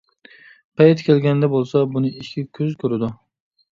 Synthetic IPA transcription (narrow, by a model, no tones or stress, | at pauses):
pʰajɪt̪kʲʰe̞lɡʲand̪abolˠsabʊnɪɪʃkʲakʲʰɵzkʲʰɵɾɪd̪ʊ